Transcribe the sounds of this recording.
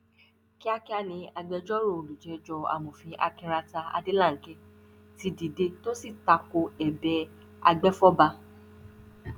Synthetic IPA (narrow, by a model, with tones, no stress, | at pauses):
ki˦a˦ki˦a˦˨nĩ˧a˧ɡ͡bɛ˧d͡ʒɔ˦ɾo˦˨o˨lu˨d͡ʒɛ˨d͡ʒɔ˧a̰˨mõ˨fĩ˧ʔa̰˧kĩ˧ɾa˧ta˧a̰˧de˦lã˦˨˦kɛ˦ | ti˧di˨de˧to˦si˦˨ta˧ko˧ɛ˨bɛ˧ | a̰˧ɡ͡bɛ˦fɔ˦ba˧